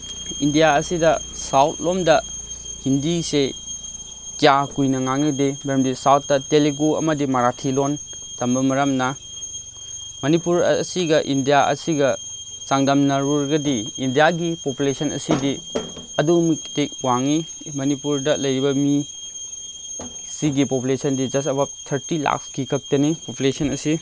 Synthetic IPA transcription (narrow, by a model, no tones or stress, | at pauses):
indijaɐsidɐsawt̚ʰlomdɐhindise | kijakujnɐŋaŋidebɾɐmbisawt̚dɐteliɡuɐ̰mɐdimaɾatʰilon | tɐmbɐmɐɾɐmna | mɐnipuɾɐsiɡɐʔindijaɐ̰siɡɐ | t͡ʃaŋdɐmnɐɾuɾɡɐdiːndijaɡipopulesʰɐnɐ̰sidi | ɐdumiktek̚waŋi | mɐnipuɾdɐlɐjɾibɐmi | siɡipopulesʰɐndid͡ʒɐstɐbap̚tʰɐɾtila̰kskikʰɐk̚tɐnipopulesɐnɐsi